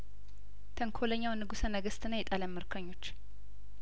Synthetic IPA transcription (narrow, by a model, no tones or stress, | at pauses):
t̪ʰəŋkʰoləɲːawnːɨɡusənəɡəst̪ʰɨnəjɛt̪ʼaləmːɨɾkʰəɲːo̞t͡ʃː